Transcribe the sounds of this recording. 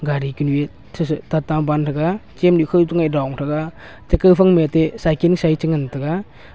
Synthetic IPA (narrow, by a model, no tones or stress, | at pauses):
ɡaɾikinue | tʰstatabantʰaɡat͡ʃemnikʰɯtɯŋajdawŋtʰaɡa | tekɯpʰaŋmeatesajkensajt͡ʃɯŋantʰaɡa